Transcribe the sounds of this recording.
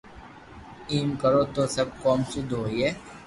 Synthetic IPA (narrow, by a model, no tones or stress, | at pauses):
iːmkəɾoːt̪oːsɐb̚kɔːmsed̪oːieː